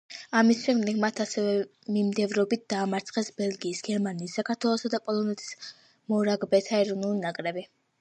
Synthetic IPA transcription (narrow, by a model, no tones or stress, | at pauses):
amisʃɛmd̪ɛɡmat̪ʰasɛvɛ | mimd̪ɛvɾɔbit̪̚ʰd̪̥aːmaɾt̪sʰχɛsbɛlɡiːsɡɛɾmaniːsːakʰaɾt̪ʰwɛlˠɔsad̪apʼɔlˠɔnɛt̪ʰi̥s | mɔɾaɡbɛt̪ʰaɛɾɔnulˠinakʼɾɛbi